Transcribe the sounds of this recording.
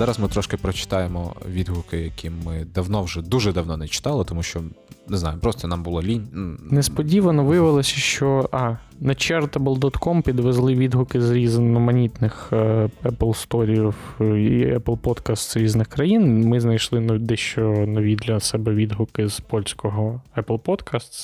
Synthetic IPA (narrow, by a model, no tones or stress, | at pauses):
zɑɾɐzmɪt̪ɾɔʃkɪpɾɔt͡ʃɪ̥t̪ɑjemɔ̰ʋʲid̪ɦʊkɪjɐkʲimɪd̪ɐwnɔwʒɛd̪uʒɛd̪ɐwnɔnɛt͡ʃɪ̥t̪ɑlˠɪt̪ɔmuʃt͡ʃɔnɪznɑ̰jʊpɾɔst̪ɔnɑmbʊlˠɔlʲinʲnunespɔdʲiʋɐnɔʋɪjɐʋɪlˠɔsʲɐʃt͡ʃɔʔɑ | nɐt͡ʃɛrt̪ɐblˠd̪ɔt̪kɔmpʲid̪ʋezlˠɪʋʲid̪ɦʊkɪzɾʲizɐnɔmɐnʲit̪nɪxɛplˠst̪ɔɾʲiw | ɛplˠpɔt̪kɐst̪zɾʲiznɪxkɾɐjinmɪznɐjʃlˠɪnd̪ɛʃt͡ʃɔnɔʋʲid̪lʲɐsɛbɛʋʲid̪ɦʊkɪz̥pɔlʲsʲkɔɦɔɛplˠpɔt̪kast̪s